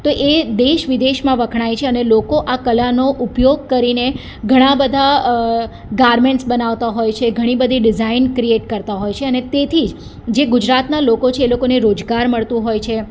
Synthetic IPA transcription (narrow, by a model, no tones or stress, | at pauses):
t̪oʔed̪eʃʋɪd̪eʃmãʋəkʰɳ̃ajt͡ʃʰeənelokoʔakəlanoʔupjoɡ̚kəɾine | ɡʱəɽ̃ãbəd̪ʱa | ɡaɾmeɳʈsbənaʋt̪aɦojt͡ʃʰeɡʱəɽ̃ibəd̪ʱiɖɪd͡ʒainkɾieʈkəɾt̪aɦojt͡ʃʰeənet̪et̪ʰid͡ʒ | d͡ʒeɡʊd͡ʒɾat̪nalokot͡ʃʰeːlokoneɾod͡ʒɡaɾməɭt̪ũɦojt͡ʃʰe